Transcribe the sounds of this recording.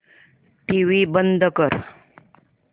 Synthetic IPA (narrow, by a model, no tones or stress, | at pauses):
ʈiʋibənd̪ʱəkəɾ